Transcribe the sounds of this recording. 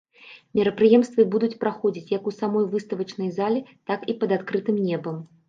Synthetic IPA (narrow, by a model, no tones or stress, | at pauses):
mʲiɾɐpɾɨjɛmst̪vɨbud̪ut͡sʲpɾaxɔd͡zʲit͡sʲjɐkusamɔjvɨst̪ɐvɐt͡ʂnɐjzalʲɛt̪akipɐd̪at̪kɾɨt̪ɨmnʲɛbɐm